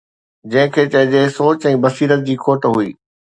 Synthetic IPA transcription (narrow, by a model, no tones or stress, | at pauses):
d͡ʑɐ̃ɦɪ̃kʰeːt͡ɕɐɦɪ̃d͡ʑeːsoːt͡ɕɛ̃ːbɐsiːɾət̪̚d͡ʑiːkʰoːʈɦuḭː